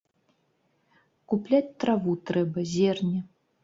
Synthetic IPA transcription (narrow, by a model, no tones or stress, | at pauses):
kuplʲat͡sʲt̪ɾavut̪ɾɛbɐzʲɛrnʲɛ